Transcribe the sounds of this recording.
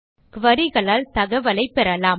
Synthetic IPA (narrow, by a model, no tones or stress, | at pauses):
kʋɐɾɪɣɐɭaːlt̪ɐɣɐʋɐlɐɪpːɛɾɐlaːm